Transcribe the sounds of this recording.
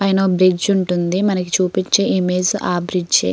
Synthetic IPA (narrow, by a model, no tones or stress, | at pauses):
pɐjnɐobɾid͡ʒuɳʈund̪imɐnɐki̥t͡ʃuːpit͡ʃːeimeːd͡ʒaːbɾid͡ʒt͡ʃḛ